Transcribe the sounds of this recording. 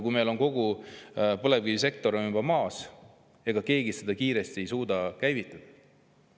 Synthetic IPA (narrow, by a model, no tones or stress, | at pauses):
kujme̞jlonko̞ɡ̥u | pɤlevɡiise̞k̚t̪o̞ɾonumbɑmɑːs | e̞ɡ̥ɑke̞ːɡised̪ɑkiːɾe̞st̪ie̞jsuːd̪ɑkæjvit̪ˑːɑd̪̥ɑ